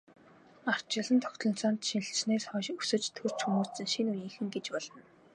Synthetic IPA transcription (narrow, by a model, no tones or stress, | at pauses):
ar̥t͡ɕɪ̆ɮə̆nt̪ʰɔxʲt̪ɮɞ̆n̥t͡sɔːnt̪ʃin̆ɬt͡ɕneːsχɔːʃɵsɘ̆t͡ɕt̪ʰɵr̥t͡ɕxumuːsɘ̆ŋʃinujĭːŋxɘ̆ŋɡet͡ɕpɔɮɞ̆n